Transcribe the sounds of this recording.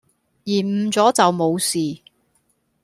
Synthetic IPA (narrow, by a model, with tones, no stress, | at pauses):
jiː˨˩m̩ː˨˧t͡sɔː˨˥t͡sɐ˨wmo˨˧wsiː˨